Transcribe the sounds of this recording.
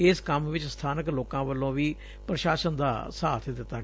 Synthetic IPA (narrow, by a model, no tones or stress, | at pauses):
ɪskəmʋɪt͡ʃst̪ʰaːnəkloːkãːʋəlːõːʋiː | pɾəʃaːʃənd̪aːsaːt̪ʰd̪ɪt̪ːãː